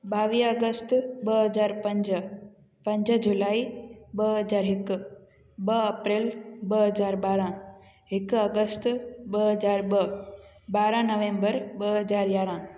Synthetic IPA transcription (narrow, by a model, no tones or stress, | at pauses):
baːʋiːəɡəst̪bəɦəzaːɾpə̃ɲd͡ʒ | pɐ̃ɲd͡ʒəd͡ʒulaːibəɦəzaːɾɦɪk | bəɐpɾelbəɦəzaːɾbaːɾã | ɦɪkəɡəst̪bəɦəzaːɾbə | baːɾãnəʋẽːmbəɾbəɦəzaːɾjaːɾã